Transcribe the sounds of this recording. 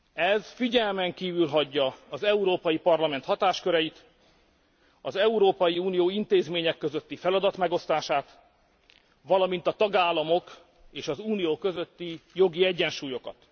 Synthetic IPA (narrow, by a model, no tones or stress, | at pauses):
ɛzfiɟɛlmɛŋkiːvylɦɒɟːɒɒzɛuɾoːpɒjipɒrlɒmɛnt̪hɒt̪aːʃkøɾɛjit̪ | ɒzɛuɾoːpɒjiuːnijoːint̪eːzmeːɲɛkːøzø̞t̪ːifɛlɒd̪ɒt̪mɛɡo̞st̪aːʃaːt̪ | ʋɒlɒmin̪t̪ɒt̪ɒɡaːlːɒmo̞k | eːʃɒzuːnijoːkø̞zø̞t̪ːijo̞ɡiɛɟːɛnʃuːjo̞kɒ̰t̪